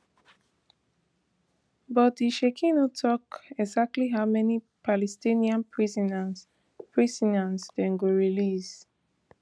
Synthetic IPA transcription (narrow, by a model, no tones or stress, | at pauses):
bɔt̚diʃekʰĩnotʰɔkɛɡzak̚tliɦaʊmɛni | pʰalɛstĩniãnpʰɹizɔnas | pʰɹisɔnansdɛ̃nɡoɹilis